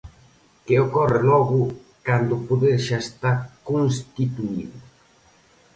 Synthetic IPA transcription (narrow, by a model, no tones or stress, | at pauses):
keokɔrɪlɔɣʊ | kand̪ʊpoðeɾʃaest̪aɾkons̬t̪it̪uiðʊ